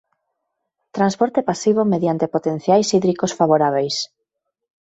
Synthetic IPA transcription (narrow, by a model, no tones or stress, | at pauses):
t̪ɾanspɔɾt̪epasiβ̞omeðjant̪epot̪en̟θjajsiðɾikosfaβoɾaβejs